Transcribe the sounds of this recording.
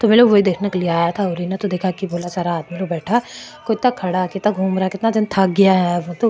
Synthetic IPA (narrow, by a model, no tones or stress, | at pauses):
t̪omeːlobʋoɦid̪eːkʰnekeliaːjat̪ʰaʊɾinat̪od̪eːkʰakiboːlasaːɾaːd̪miloːɡbɛːʈʰa | koɪt̪nakʰɐɽakɪt̪naɡʱuːmɾakɪt̪nad͡ʒɪnt̪ʰɐkɡɐjaɦɛt̪o